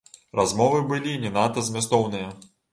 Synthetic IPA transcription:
razmɔvɨbɨlʲinʲɛnat̪ɐzmʲast̪ɔwnɨjɐ

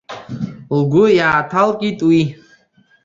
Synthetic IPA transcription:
lɡʷʊjaːtʰalkʼitʼwi

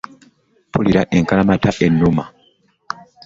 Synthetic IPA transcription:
pʰuliɾaʔe̞ŋkalamataʔe̞nːuma

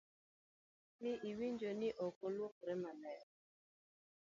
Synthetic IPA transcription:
miʔiwind͡ʒoniʔokoluokɾemanɛjɔ

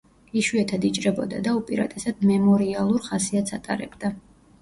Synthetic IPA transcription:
iʃuɛt̪ʰad̪it͡ʃʼɾɛbɔd̪a̰d̪aupʼiɾa̰t̪ʼɛsad̪̥mɛmɔɾialˠuɾχasiat̪sʰat̪ʼa̰ɾɛ̰bd̪a

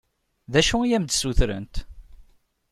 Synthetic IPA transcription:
ðæʃuijæmd̪suθɾə̰nt̪

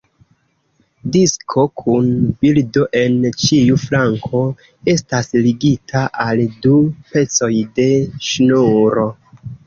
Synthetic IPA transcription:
diskʰo̞kʰunbildo̞ʔe̞nt͡ʃiuflaŋkʰo̞ | e̞stasliɡitʰaʔaldupe̞t͡so̞jde̞ʃnuɾo̞

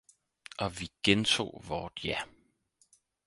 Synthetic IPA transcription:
ɒ̽ʋiɡ̥ent͡sʰo̝̰ːʋɒːd̥jæ

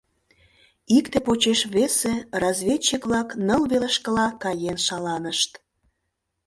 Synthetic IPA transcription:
ikt̪epot͡ɕeʃβeserɑzβʲet͡ɕːikβlɑknəlβeleʃkəlɑkɑjenʃɑlɑnəʃt̪

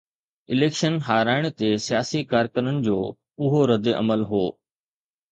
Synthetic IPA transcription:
ɪleːkʃənɦaːɾaːɪɽ̃t̪esijaːsikaːɾkəɾənɪ̆d͡ʑoː | ʊɦoɾɐd̪eʔɐməlɦoː

